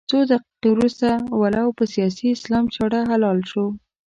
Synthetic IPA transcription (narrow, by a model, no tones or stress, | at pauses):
t͡sod̪aqi̥qewɾust̪awalawpəsijɑsiɪslɑmt͡ʃaɽaɦalɑlʃo